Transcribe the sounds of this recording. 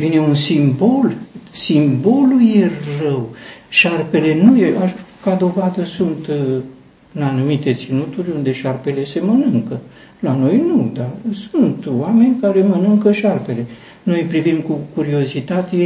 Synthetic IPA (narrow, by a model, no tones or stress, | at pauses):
vine̞unsimbo̞lsimbo̞lujerəwʃarpe̞le̞nujeakad̪o̞vad̪əsunt̪ | ɨnanumit̪e̞t̪sinut̪urʲund̪e̞ʃarpe̞le̞se̞mənɨŋkə | lano̞jnud̪arsunt̪oame̞nʲkaɾe̞mənɨŋkəʃarpe̞le̞ | no̞jpɾivimkukuɾio̞zit̪at̪e